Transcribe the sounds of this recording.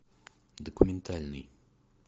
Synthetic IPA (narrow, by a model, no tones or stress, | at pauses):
d̪okumɛnt̪ʰalʲni